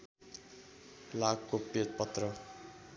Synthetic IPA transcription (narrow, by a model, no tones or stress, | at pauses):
laɡkopet̪̚pʌt̪rʌ